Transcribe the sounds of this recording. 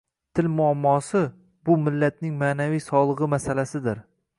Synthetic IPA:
t̪ʰɪlmʊamːɒsɪ | bʊmɪlːat̪̚nɪŋmaːnavijsɒlˠɨʁɨmasalasɪd̪ɪɾ

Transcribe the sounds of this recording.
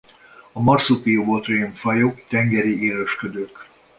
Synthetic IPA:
ɒmɒrsupiovoːt̪riɛɱfɒjokt̪ɛŋɡɛɾieːɾøʃkød̪øːk

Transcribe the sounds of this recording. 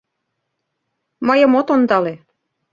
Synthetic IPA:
mɤjɤ̆mot̪ond̪ɑle

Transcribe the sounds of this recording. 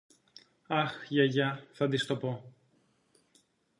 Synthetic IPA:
ɐxʝɐʝɐθɐd̪ist̪o̞po

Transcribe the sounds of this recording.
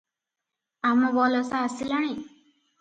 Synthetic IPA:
amɔ̃bɔlɔsaːsilaɽ̃i

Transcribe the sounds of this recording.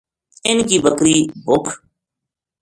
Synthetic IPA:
ɪnkiːbəkɾiːbʊkʰ

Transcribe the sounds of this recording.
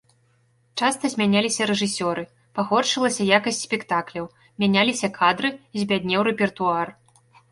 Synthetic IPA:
t͡ʂast̪ɐzʲmʲanʲalʲisʲɐɾɛʐɨsʲɔɾɨ | paɣɔt͡ʂɨlˠɐsʲɐjakɐsʲtʲsʲpʲɛkt̪aklʲɐw | mʲanʲalʲisʲɐkʰad̪ɾɨzʲbʲad̪ʲnʲɛwɾɛpʲɛrt̪uar

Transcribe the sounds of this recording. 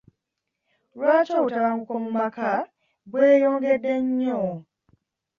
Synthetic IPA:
lwaːt͡ʃoβutaβaŋukomumaka | bweːjoːŋɡe̞dːe̞ɲːo

